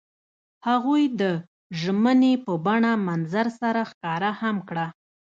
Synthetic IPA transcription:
haɣujd̪ə | ʒmənepəbaɳamanzaɾsaɾaxkɑɾahamkɽa

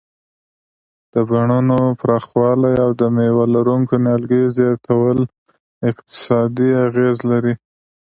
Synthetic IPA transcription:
d̪̥əbaɳunopɾɑxwɑlajawd̪əmewalaɾuŋkonjɑlɡejzjɑt̪ʰawəl | ɪqt̪ɪ̥sɑd̪iaɣezlaɾi

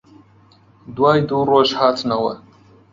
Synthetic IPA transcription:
dwaːjduːroʃħaːtʰnawɐ̰

